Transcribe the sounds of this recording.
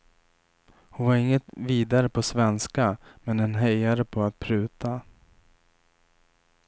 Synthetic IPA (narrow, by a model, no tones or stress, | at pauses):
hʊnvaɾɪŋːət̪viːd̪aɾəpʰɔsvɛnskamɛnɛnɦɛjaɾəpʰɔat̪̚pʰɾʉ̟ːt̪ʰa